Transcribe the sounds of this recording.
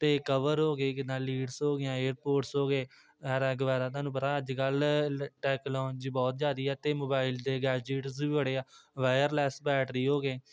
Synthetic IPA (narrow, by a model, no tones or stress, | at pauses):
t̪eːkəʋəɾɦoːɡeːkɪd̪ãːliːɖsɦoːɡejãːeːɾpoːʈsɦoːɡeː | ɛːɾɛ̃ːɡəʋaːd̪aːt̪ãːnũːp̬ət̪aːəd͡ʒkəlʈɛːklɔ̃ːnd͡ʒbɔːt̪d͡ʒjaːd̪iːɛːt̪eːmoːbaːɪld̪eːɡɛːd͡ʒeʈsiːəɽeːaːʋaːjəɾlɛːsbɛːʈɾiːɦoːɡeː